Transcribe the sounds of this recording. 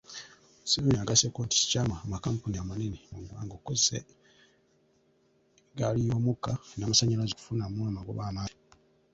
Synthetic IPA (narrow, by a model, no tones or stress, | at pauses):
seβiniaɡasekoːnti̥si̥caːmaːmakaːmpuniamanenimuɡuwaːŋɡokːozsḛ | ɡalijo̞ːmukanamasaɲalazeku̥funamulamaɡo̰βaːmaː